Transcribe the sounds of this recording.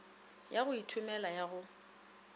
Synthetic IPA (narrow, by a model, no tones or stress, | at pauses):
jaɣʊitʰʊmɛlajaɣʊ